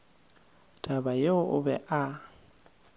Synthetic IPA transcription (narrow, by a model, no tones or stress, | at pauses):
d̥ʼabajeʊʔʊ̰bɛʔa